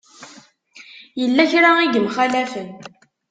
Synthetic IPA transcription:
jəlːæçɾaiɡəmχælæfən

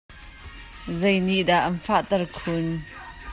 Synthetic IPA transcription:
zejniʔdaʔɐnfaʔt̪ɐrkʰʊn

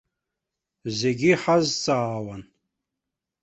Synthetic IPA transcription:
zeɡʲiħazt͡sʼaːwan

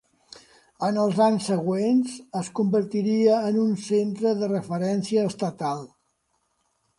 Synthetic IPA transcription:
ənəlˠzaɲsːəɣwenzəskumbəɾt̪iɾiəːnunsent̪ɾəðərəfəɾɛnsiəːst̪ət̪alˠ

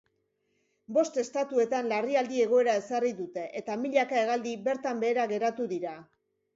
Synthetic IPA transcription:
bo̞st̪e̞st̪at̪ue̞t̪anlariald̪ie̞ɣ̞o̞e̞ɾae̞sariðut̪e̞ʔet̪amiʎakae̞ɣald̪ibe̞ɾt̪ambe̞ːɾaɣe̞ɾat̪uðiɾa

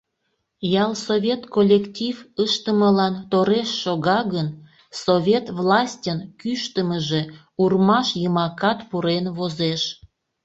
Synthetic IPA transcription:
jɑlˠsovʲet̪kolʲːektʲivəʃt̪əməlɑnt̪oɾeʃːoɣɑɣən | sovʲet̪vlɑsʲtʲənkyʃt̪əməʒe̽ | urmɑʃjəmɑkɑt̪puɾenβozeʃ

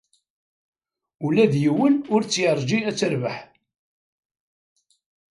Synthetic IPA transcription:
ulæðjiwənʊɾt͡sːjəɾˤʒiæt͡sːəɾvəħ

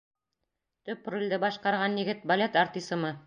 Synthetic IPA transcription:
t̪ɵpːrulʲd̪ɘbɑʃqɑɾʁɑnjɘ̆ɡɘt̪̚bɐlʲet̪art̪ʲisɤ̆mɤ

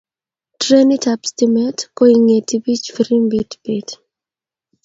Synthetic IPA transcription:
tɾenitapstimɛtkoiŋetibit͡ʃfiɾimbitb̥it

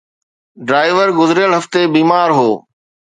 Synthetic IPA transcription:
ɖɾaːɪʋəɾɡʊzɾjəɭɦɐft̪ebiːmaːɾɦoː

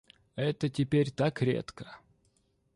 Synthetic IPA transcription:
ɛt̪ətʲɪpʲeɾʲt̪akɾʲḛt̪kə̥

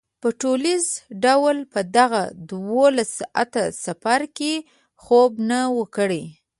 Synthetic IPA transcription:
pəʈolizɖawlpəd̪aɣa̰d̪wolasa̰t̪asafaɾke | xobnawəkəɽe

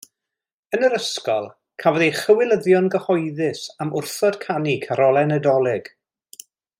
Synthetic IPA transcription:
ənəɾəskɔ̰lˠ | kʰavɔðejχəwɪlˠəðjɔnɡəhɔjðɪsamʊrθɔd̥kʰanikʰaɾɔlˠɛnɛdɔlˠɪɡ̥

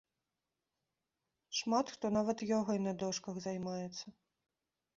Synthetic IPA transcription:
ʂmat̪xt̪ɔnavɐt̪jɔɣɔinɐd̪ɔʂkɐɣzɐjmajɛt̪sːɐ

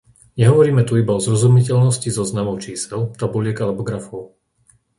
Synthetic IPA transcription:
ɲɛɦɔʋɔɾiːmɛt̪uibaɔzɾɔzumicɛʎnɔscizɔznamɔʊt͡ʃiːsɛlt̪abulɪɛɡalɛbɔɡɾafɔʊ

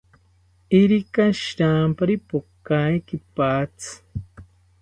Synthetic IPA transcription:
iɾikaʃiɾaːmpaɾipokajkipaːt͡sɨ̥

